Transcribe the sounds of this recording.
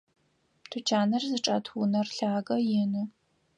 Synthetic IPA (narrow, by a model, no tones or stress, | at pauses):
tʰʊt͡ʃʰaːnɐrzɨʈ͡ʂʼɐtʰwʊnɐrɬaːɡɐjɪnɨ